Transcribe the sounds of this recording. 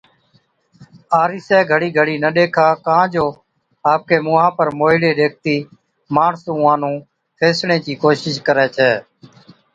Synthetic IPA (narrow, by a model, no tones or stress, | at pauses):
aːɾiːsɛːɡʱəɽiːɡʱəɽiːnəɗeːkʰaːkãːd͡ʒoː | aːp̚keːmʊːɦãːpəɾmoːɪɽeːɗeːk̚ʰt̪iː | maːɳsũːãːnũː | pʰeːsɳẽːt͡ʃiːkoːʃɪʃkəɾɛːt͡ʃʰɛː